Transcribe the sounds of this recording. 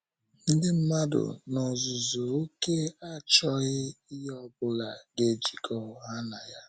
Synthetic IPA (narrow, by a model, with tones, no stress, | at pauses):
n̩˦dɪ˦m̩˦ma˦dʊ̰˨nɔ˨zʊ˨zʊ˨o˦ke˦a˦t͡ʃɔ˦ɣɪ˦i˦ɦɔ˦bʊ˦la˨ɡe˨d͡ʒi˨kʰɔ˦ʊ˦ɦa˦na˨ja˦